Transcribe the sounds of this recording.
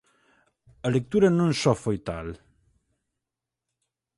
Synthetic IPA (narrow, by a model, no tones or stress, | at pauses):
əlek̚t̪uɾənunsɔfojt̪al